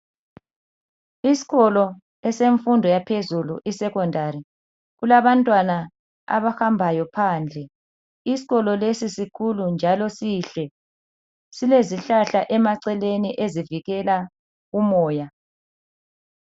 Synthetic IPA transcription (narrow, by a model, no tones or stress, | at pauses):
isi̥ɣɔlɔ | ɛseɱfundʱɔjapʰezulṵʔisɛkɔndʱaɾi | ɣulaβantʼwana | a̰βahambʱajɔpʰaːnd͡ɮʱɛ | isi̥ɣɔlɔlesisikʰulund͡ʒʱalɔsiɬɛ | sileziɬaɬaʔɛmaǀɛleniʔeziviɣɛla | ɣumɔːja